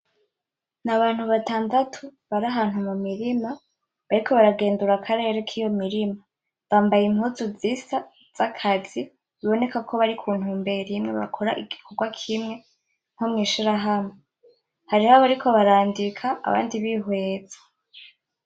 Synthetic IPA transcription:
naβaːnhuβataːndatʰuβaɾaɦaːn̥humumiɾima | βaɾikʰo̞βaɾaɡe̞ːnduɾakʰaɾe̞ːɾekʰijo̞miɾima | βaːmbajimhuːzuziːsa | z̥akʰazi | βiβo̞ne̞kakʰo̞βaɾikʰuːn̥huːmbe̞ɾimŋe̞βa̰kʰo̞ɾaʔiɡikʰo̞ɡwakʰimŋe̞ | ŋ̥homŋiːʃiɾaɦamŋe | haɾihaβaɾikʰo̞βaɾaːndikʰa̰ːβa̰ːndiβiɦweːzḁ

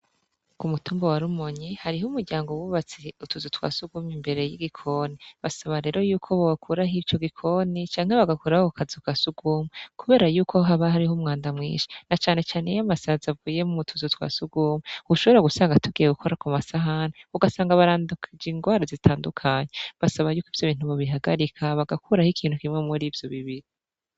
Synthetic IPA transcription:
kumutuːmbowaɾumoɲihaɾiɦumuɾɟaːŋɡowuβat͡seutuzutwa̰ːsuɡumimbe̞ɾe̞jiɡikʰo̞niβasaβaɾe̞ːɾo̞juːkʰo̞βaɡakʰuɾaɦit͡ʃo̞ɡikʰo̞nit͡ʃaːŋhe̞βaɡakuɾahokazukasuɡuːmikuβe̞ːɾajuːkʰo̞ɦaβahaɾiɦumŋaːndamŋḭːʃi̥nat͡ʃaːne̞t͡ʃaːnejamasazavuːje̞muβutʰuzutwa̰ːsuɡuːmuuuʃo̞βo̞ɾaɡusaːŋɡatuɡije̞ɡukʰo̞ɾakumasaɦanauɡasaːŋɡaβaɾaːndukʰid͡ʒiːŋɡwaːɾazitʰaːndukʰaɲeβasaβajuːkivjoβiːn̥huβaβiɦaɡaɾikʰaβaɡakʰuɾahikʰiːn̥hukimŋemuɾiːvjo̞βiβiɾi

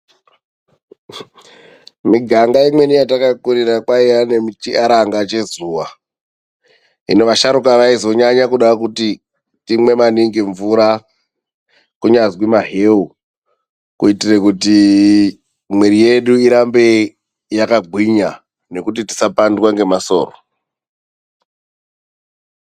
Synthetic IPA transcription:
miɡʱaŋɡaimwenijatakakuɾirakwaijane̞mut͡ʃiʔaɾaŋɡat͡ʃe̞zuːʋa | ḭnoʋaʃaɾukaʋaizo̞ɲaɲakuɗakuti | timwe̞maniŋɡeɱvuɾa | kuɲazwimaɦeu | kuitirekuti | mweɾije̞ɗuiɾambe̞ | jakaɡʱwiɲa | ne̞kut̬iti̥sapandwaŋɡe̞maso̞̰ːro

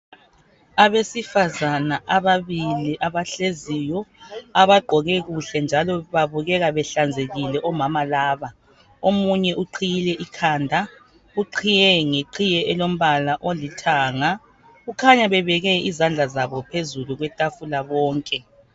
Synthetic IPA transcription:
aβesifazanaʔaβaβiliʔaβaɬezijɔaβaɡ͡ǃʱɔɣɛɣuɬɛnd͡ʒʱalɔβaβuɣɛɣaβɛɬand͡zʱeɣilɛʔɔmamalaːβa | omuɲɛʔuǃʰijilɛʔikʰaːndʱa | uǃʰijɛŋeǃʰijɛɛlom̩βalaʔolitʰaːŋa | ɣukʰaɲaβɛβɛɣɛizand͡ɮʱazaβɔpʰezuluɣwɛtʼafulaβɔːŋkʼɛ

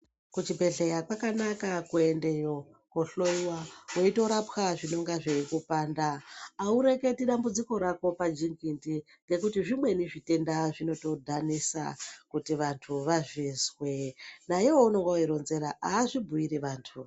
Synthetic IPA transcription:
kut͡ʃibʱe̞ɮejakwakanakakue̞nde̞jo̞ | koɬo̞iwawoito̞ɾapxaʐino̞ŋɡaʐeikupaːndaːuɾe̞ke̞tiɗambud͡ziko̞ɾako̞pad͡ʒiŋɡinti | ŋɡe̞kutiʐimwe̞niʐite̞ndaʐino̞to̞dʱanisa̰kutiʋantʰuʋaʐizwe̞najewouno̞ŋɡaiɾo̞nze̞ɾaaːʐibʱuiɾiʋaːntʰu

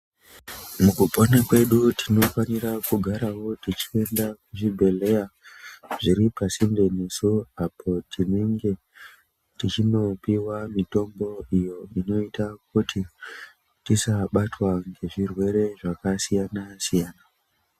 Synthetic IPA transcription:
mukupo̞nakwe̞ɗutʰino̞fanirakuɡʱaɾawo̞tit͡ʃi̥e̞ndakuʐibʱe̞le̞jaʐiɾipasimbe̞nesuapʰo̞tʰineŋɡe̞ | tit͡ʃino̞piwamito̞mbo̞ijo̞ino̞itak̚utʰi | tisaɓatwaŋɡe̞ʐirwe̞ɾe̞ʐakasijanasijaːna

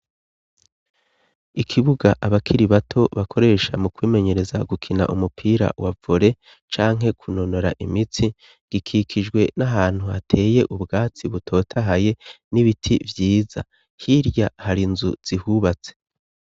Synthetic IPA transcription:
ikʰiβuɡaʔaβakʰiɾiβatʰo̞βakʰo̞ɾe̞ːʃa̰mukwiːme̞ɲe̞ɾe̞za̰ɡukʰina̰ʔumupʰiːɾa̰wavoɾe̞ | t͡ʃaːŋɦe̞kʰuno̞no̞ɾaʔimit͡si | ɡ̥ikʰikʰid͡ʒɡwe̞naɦaːn̥hua̰tʰe̞ːje̞ʔubɡaːt͡siβutʰo̞ːtʰaɦaje̞ | niβitʰivjiːza̰ | hiɾjahaɾinzuz̥ihuβat͡se̥

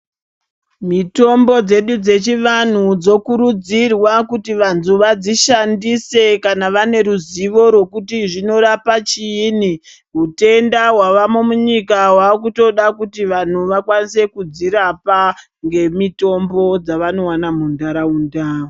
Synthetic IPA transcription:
mito̞mbo̞d͡ze̞ɗud͡ze̞t͡ʃiʋan̤ud͡zo̞kuɾud͡zirwakutiʋantzuʋad͡ziʃandise̞kanaʋane̞ɾuziʋo̞ɾwo̞kutiʐino̞ɾapat͡ʃiːni | ɦute̞ndaɦwaʋamomuɲikawaːkuto̞ɗakutiʋan̤uʋakwanise̞kud͡ziɾapa | ŋɡe̞mito̞mbo̞d͡zaʋano̞wanamundaɾaundaːo

